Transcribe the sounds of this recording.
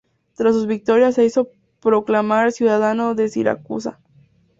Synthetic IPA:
t̪ɾasːuzβik̚t̪o̞ɾjase̞iso̞ | pɾo̞klamaɾesjuðaðanoðe̞sḭɾa̰kṵsa̰

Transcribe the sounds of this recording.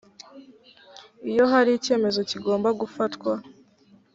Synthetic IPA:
ijo̞ɦaɾiice̞ːme̞zo̞ciɡo̞ːmbaɡufatkwa

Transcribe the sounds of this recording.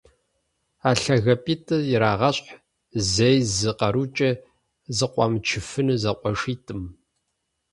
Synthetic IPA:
aːɬɐɣɐpʼiːtʰʼɨjɪɾaːʁɐɕħ | zejzɨqɐɾut͡ʃʼɐ | zɨqʷʼɑmt͡ʃʰɪfɨnɨzɐqʷɔʂiːtʼɨm

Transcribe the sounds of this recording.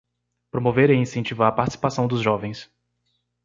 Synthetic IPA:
pɾomoveɾeĩsẽnt͡ʃivaɾɐpaɾt͡ʃi̥si̥pasɐ̃w̃d̪ʊzʒɔvẽj̃s

